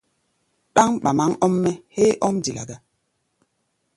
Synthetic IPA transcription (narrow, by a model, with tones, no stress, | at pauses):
ɗa˦ŋɓa˨ma˦ŋɔ˦mːɛ˦he˦ʔɔ˦mdi˨la̰˨ɡa˦